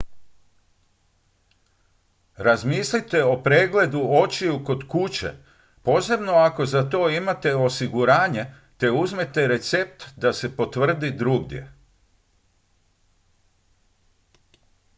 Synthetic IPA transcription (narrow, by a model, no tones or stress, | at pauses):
ɾazmiːslit̪e̞o̞pɾeːɡle̞d̪uo̞t͡ɕiuko̞d̪kut͡ɕḛ | po̞se̞bno̞ako̞zat̪o̞ːimat̪e̞o̞siɡuɾaːɲe̞ | t̪e̞uzme̞t̪e̞ɾe̞t̪se̞p̚t̪d̪ase̞po̞t̪ʋr̩d̪id̪ɾuɡd̪je̞̰